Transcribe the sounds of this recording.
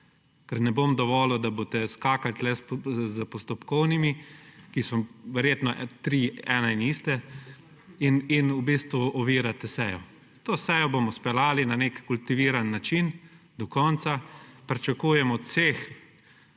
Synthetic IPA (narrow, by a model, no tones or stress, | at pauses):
kɛɾnɛbomd̪ɔʋɔːlɔd̪abot̪ɛskaːkat̪lɛszəpɔst̪ɔpkɔwnimikisɔʋɛɾjeːt̪nɔt̪ɾiːɛːnainist̪ɛ | ininubiːst̪ʋuɔʋiːɾat̪ɛsɛjɔ̰ | t̪oːsɛjɔbomɔspɛlaːlinanekkult̪iʋiːɾanːat͡ʃin | d̪ɔkɔnt̪sapɾit͡ʃakuːjɛmɔɔt̪seːx